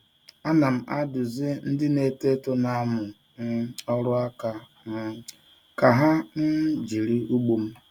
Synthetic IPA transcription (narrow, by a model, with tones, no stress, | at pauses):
a˦na˨m̩˦a˦dʊ˨zɪ˦n̩˦dɪ˦ne˨te˦to˦na˦mʊ˨ | n̩˦ɔ˦ɾʊ˦a˦ka˦ | ka˨ɦa˦n̩˦d͡ʒi˨ɾi˦u˦ɡ͡bu˨m̩˦